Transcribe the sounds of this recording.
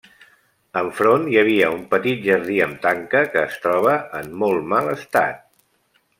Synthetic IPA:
əɱfɾonjəβ̞iəumpət̪it̪̚ʒəɾð̞iəmt̪aŋkəkəːst̪ɾɔβ̞əːmːɔlˠmaləst̪a̰t̪̚

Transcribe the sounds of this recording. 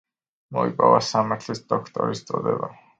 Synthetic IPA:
moipawasamărt̪ʰɮist̪ɔkt̪ʰɔɾist͡sʼɔd̪ɛba

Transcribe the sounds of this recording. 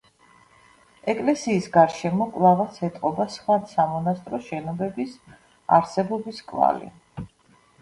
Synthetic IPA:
ɛkʼlɛsiːsɡaɾʃɛmɔkʼlˠavasɛt̪ʼqʼɔbasχwad̪samɔnast̪ʼɾɔʃɛnɔbɛbis | aɾsɛbɔbiskʼva̰lḭ

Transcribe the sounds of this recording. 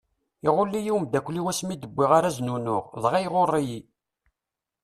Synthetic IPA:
iʁʊlːijiwmd̪ækʷːliwæsmid̪əbːɪʁaɾæznunʊʁðˤʁæjʁorˤːiji

